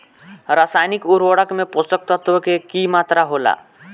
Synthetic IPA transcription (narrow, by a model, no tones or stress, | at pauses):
ɾaːsaːjnɪkuɾʋəɽəkmẽpʊst̪ək̚t̪ət̪ʋəkekimaːt̪ɾaɦoːla̰ː